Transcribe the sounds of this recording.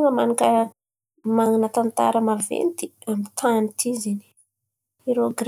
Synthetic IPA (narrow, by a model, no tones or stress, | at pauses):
ŋəmanaka | maŋinət̪ant̪a̰ɾəmavḛnt̪i | amit̪ʰanit̪ʰizini̥ | iɾoɡɾ